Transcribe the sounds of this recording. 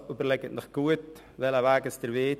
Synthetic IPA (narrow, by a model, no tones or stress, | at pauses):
ubəɾlɛɡətnəχɡ̥uət̪ | ʋɛlaʋaːɡəstəɾʋeː